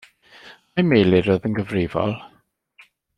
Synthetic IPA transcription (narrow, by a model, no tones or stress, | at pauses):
majmejlɪɾəðənɡəvrɪːvɔ̰lˠ